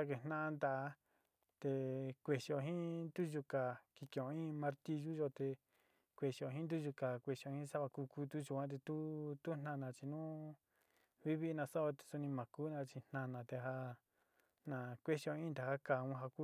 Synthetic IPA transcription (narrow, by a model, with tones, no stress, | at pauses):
a˦ke˨n̥nã˦ʔa˧nd̪a˨ʔ | t̪e˧kʷe˧ʃi˧o˧˨ɦĩ˦nd̪u˦ʒu˧ka˨ki˧kẽ˧˨õ˧ĩ˦mã˧ɾt̪i˧ʒu˦ʒo˧t̪e˧ | kʷe˧˨ʃi˧o˧ɦĩ˦nd̪u˦ʒu˧ka˨kʷe˧ʃo˧hĩ˦sa˦βa˧ku˧ku˦t̪u˦ʒu˧kʷã˦t̪̬e˧t̪u˦t̪u˦n̥ã˧nã˧t͡ʃi˧nũ˦ | βi˦βi˦˧nã˧so˦o˧t̪e̥˧su˧nĩ˧mã˨ku˦nã˧t͡ʃi˧n̥nã˧nã˧t̪e˧ɦa˧ | nã˨kʷe˦ʃo˧ĩ˦nd̪a˨ha˦ka˧˨ũ˧˦ɦa˧ku˦